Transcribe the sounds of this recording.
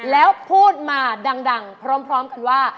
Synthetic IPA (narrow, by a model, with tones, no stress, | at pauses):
lɛː˦˥wpʰuː˥˩t̪̚maː˧da˧ŋda˧ŋpʰɾɔː˦˥mpʰɾɔː˦˥mka˧nwaː˥˩